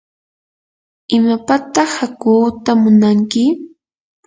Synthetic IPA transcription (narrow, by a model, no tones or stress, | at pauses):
ɪmapat̪ɑχhakuːt̪amʊnaŋkɪ